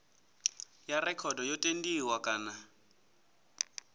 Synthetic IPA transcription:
jarɛkʰɔdɔjɔtʼendiwakʼaːna

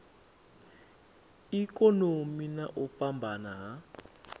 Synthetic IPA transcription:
ikɔnomina̰ʔupʼambʱanaɦa

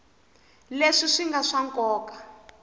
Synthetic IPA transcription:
leʂiʂiŋɡaʂaŋkɔːkḁ

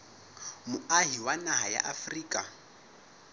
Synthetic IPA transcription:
mʊaɦiwanaɦaja̰ʔafriːkʼa

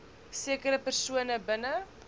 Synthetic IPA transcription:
siəkəɾəpɛrsuənəbənə

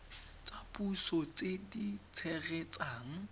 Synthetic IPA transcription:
t͡sapusɔt͡sedit͡sʰɛɣɛt͡saːŋ̩

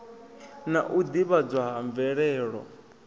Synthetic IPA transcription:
naʔud̪iβad͡zʷwaɦaɱvɛɺɛːɺɔ̰

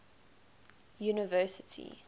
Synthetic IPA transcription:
juːnəvɜːˑsɪtʰḭ

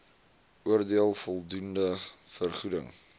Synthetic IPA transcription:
uərdiəlˠfɔlˠdundəfərχudə̰ŋ

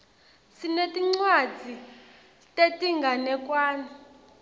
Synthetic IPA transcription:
sinetʼiŋ͡ǀwad͡zʱi | tʼetʼiŋɡanɛkwaːni

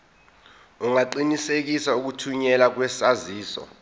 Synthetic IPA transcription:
uŋaǃinisek̬isauk̬utʰuɲɛlak̬wɛsaziːsɔ̰

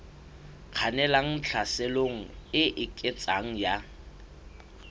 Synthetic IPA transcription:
q͡χʰanɛlaŋ̩t͡ɬʰasɪloŋ̩ɪʔɪkʼɪt͡sʼaŋ̩ja

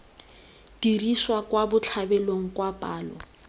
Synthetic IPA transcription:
d̥iriswakwabʊt͡ɬʰabɛloŋ̩kwapʼaːlɔ

